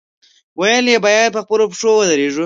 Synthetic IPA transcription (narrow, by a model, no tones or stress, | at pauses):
wajəljebɑjad̪̚pəxpəlopiʂowəd̪əɾeʐu